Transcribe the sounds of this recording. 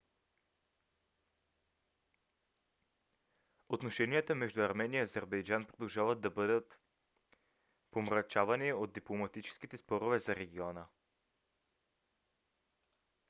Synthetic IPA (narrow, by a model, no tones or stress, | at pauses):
ot̪noʃɛniət̪əmɛʒd̪uɐɾmɛnijəiɐzɛɾbɛjd͡ʒanpɾod̪ɐlˠʒavəd̪̚d̪ɐbɤd̪ət̪ | pomɾɐt͡ʃavɐniod̪̚d̪iplˠomɐt̪it͡ʃɛ̥sk̟it̪ɛspɔɾovɛzɐɾɛɡʲiɔnə